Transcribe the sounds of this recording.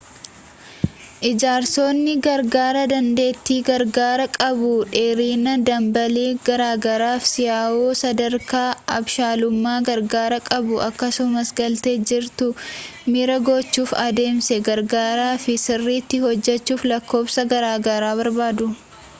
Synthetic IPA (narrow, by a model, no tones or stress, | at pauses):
ʔɪd͡ʒaːɾso̞ːnːɪɡɐɾɡaːɾɐd̪ɐnd̪e̞ːt̪ːiːɡɐɾɡaːɾɐkʼɐbʊᶑeːɾiːnɐd̪ɐmbɐleːɡɐɾaːɡɐɾaːfsɪjaːʔoːsɐd̪ɐɾkaːɐbʃaːlʊmːaːɡɐɾɡaːɾɐkʼɐbʊʔɐkːɐsʊmɐsɡɐlt̪e̞ːd͡ʒɪɾt̪ʊmiɾɐɡɔt͡ʃːuːfɐd̪e̞ːmsɛɡɐɾɡaːɾaːfɪsɪrːiːt̪ːɪhɔd͡ʒːɛt͡ʃːuːflɐkːo̞ːbsɐɡɐɾaːɡɐɾaːβɐɾbaːd̪ʊ